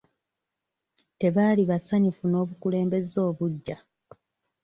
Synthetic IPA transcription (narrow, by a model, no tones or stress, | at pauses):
te̞βaːliβasaɲifuno̞ːβukule̞ːmbe̞zo̞ːβuɟːa